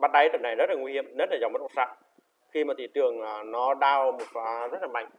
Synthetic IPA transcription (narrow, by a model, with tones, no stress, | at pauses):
ɓaː˦˥t̚ɗa˨˦jt̪ɨ˨˩na˨˩jzə˦˥t̚laː˨ŋwi˧hi˧˨əmnə˦˥nlaː˨˩zŋ͡mmə˦˥mo˨˩tsa̰ː˧˨ʔ | xi˧maː˨˩t̪ʰi˧˨˩t͡ɕɨ˨˩əŋaː˨˩nɔ˨˦ɗaː˧wmo˨˩t̚ːzə˦˥t̚laː˨˩ma̰˧˨ŋ